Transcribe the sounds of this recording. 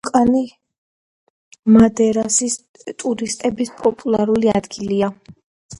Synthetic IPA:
kʼani | mad̪ɛɾasis | t̪ʼuɾist̪ʼɛbispʼɔpʼulˠaɾuliad̪ɡilia

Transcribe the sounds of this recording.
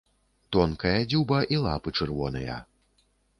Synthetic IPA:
t̪ɔnkɐjɐd͡zʲubɐʔilˠa̰pɨt͡ʂɨrvɔnɐ̰jɐ̰

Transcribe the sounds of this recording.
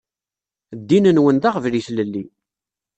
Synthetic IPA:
d̪ːinənwənðaʁəvliθləlːi

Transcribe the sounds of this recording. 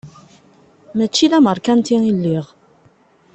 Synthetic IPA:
mæt͡ʃːiðæməɾˤkænt̪iilːiʁ

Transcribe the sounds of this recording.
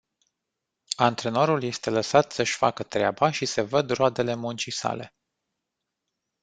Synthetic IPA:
ant̪ɾe̞no̞ɾulje̞st̪e̞ləsat̪səʃʲfakət̪ɾeabaʃise̞vəd̪road̪e̞le̞munt͡ʃisa̰le̞̰

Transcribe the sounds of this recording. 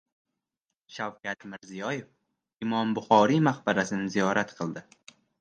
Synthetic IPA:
ʃawkʲʰat̪mɪɾzijɒje̞f | ɪmɒmbʊχɒɾimahbaɾasɪnɪzijɒɾat̪qʰɨlˠd̪ɪ

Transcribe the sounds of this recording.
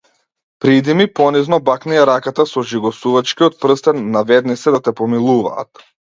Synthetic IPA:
pɾid̪imipɔniznɔbaknɛaɾakat̪asɔʒiɡɔsuvat͡ʃkiɔt̪̚pr̩st̪ɛnːavɛd̪nit̪sɛd̪at̪ɛpɔmilˠuva̰ːt̪

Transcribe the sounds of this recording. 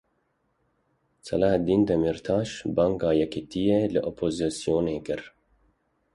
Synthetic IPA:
sɐ̰lahd̪iːnd̪ɛmiɾt̪ʰɑːʃbɑːŋɡɑːjɛkit̪ijeːlɨʔopʰoːzisijoːneːkɨɾ

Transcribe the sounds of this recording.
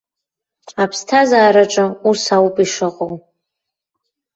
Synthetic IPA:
apʰstʰazaːɾaʈ͡ʂʼausawpʼiʂɨqʼow

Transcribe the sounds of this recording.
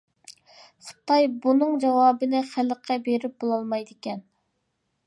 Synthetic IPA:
χə̥t̪ɑjbunɨŋd͡ʒɑwɑːbɨnɨχæləqʰːɑbeɾɪp̚bolˠɑlˠmɑjd̪ɪkʲɛn

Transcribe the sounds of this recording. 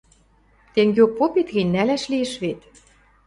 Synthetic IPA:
t̪eŋɡʲeopːopit̪ɣɘ̆nʲnælæʃliĕʃβet̪

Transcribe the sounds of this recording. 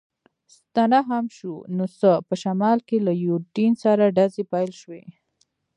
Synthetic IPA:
st̪anaɦamʃunosəpəʃamɑlkelajuɾɖinsaɾaɖazepajlʃwe

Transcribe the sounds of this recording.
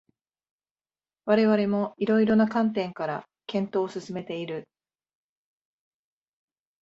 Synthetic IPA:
βaɾe̞βaɾe̞mo̞iɾo̞iɾo̞nakãnt̪ẽ̞ŋkaɾa̰ | kẽ̞nt̪o̞ːsɨsɨme̞t̪e̞iɾɯ

